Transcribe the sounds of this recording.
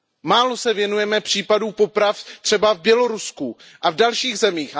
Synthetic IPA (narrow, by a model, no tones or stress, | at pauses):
maːlosɛvjɛnujɛmɛpr̝̥iːpaduːpo̞pɾaft̪r̥ɛbavbjɛlo̞ɾusku | ʔavdalʃiːɣzɛmiːx